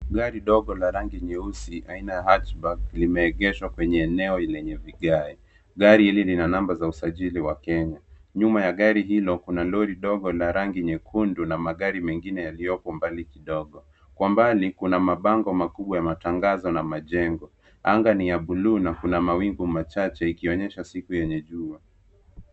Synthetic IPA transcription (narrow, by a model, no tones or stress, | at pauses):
ɡaɾiɗɔɠɔlaɾaŋɡiɲɛusiʔainajaɦatbaklimɛːɠɛʃwakwɛɲɛːnɛɔlɛɲɛviɠai | ɠaɾihililinanambazausaʄiliwakɛɲaɲumajaɠaɾiɦilɔkunalɔɾiɗɔɠɔlaɾaŋɡiɲɛkʰundunamaɠaɾimɛŋɡinɛjalijɔpɔmbalikiɗɔɠɔ | kwambalikunamaɓaŋɡɔmakuɓwajamataŋɡazɔnamaʄɛŋɡɔ | aŋɡanijaɓuluːnakunamawiŋɡumat͡ʃat͡ʃɛikiɔɲɛʃasikujɛɲɛʄua